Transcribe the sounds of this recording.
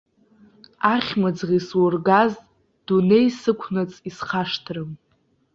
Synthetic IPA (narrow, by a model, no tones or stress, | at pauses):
aχʲmɨd͡zʁʲiswʊrɡaz | d̥une̞jsɨkʷʰnɨt͡sʼisχaʂtʰrɨm